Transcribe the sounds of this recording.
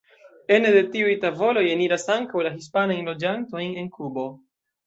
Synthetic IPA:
e̞nede̞tiujtavo̞lo̞jeniɾasaŋkawlaɦispanajnlo̞d͡ʒanto̞jne̞nkubo̞

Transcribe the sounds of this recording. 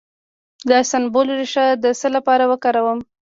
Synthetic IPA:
d̪ɑsanbolɾeʃad̪əsəlapɑɾawəkɑɾawəm

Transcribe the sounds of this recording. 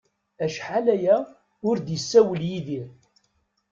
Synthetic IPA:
æʃħalæjæ | ʊɾd̪jəsːæwəljiðiɾ

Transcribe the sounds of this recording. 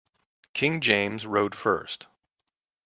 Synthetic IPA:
kʰɪ̃ŋd͡ʒẽɪ̃mzɹoʊd̥fɜ̰˞st

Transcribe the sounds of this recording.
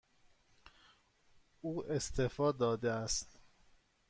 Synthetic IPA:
uːʔest̪ʰefɒːd̪ɒːd̪eæst̪

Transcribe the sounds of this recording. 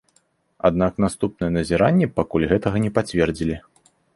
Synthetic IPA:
a̰d̪̚nakn̪ast̪upnɨjɛnɐzʲɛɾanʲːɛpakulʲɣɛt̪ɐɣɐnʲɛpat͡sʲvʲɛrd͡zʲilʲi

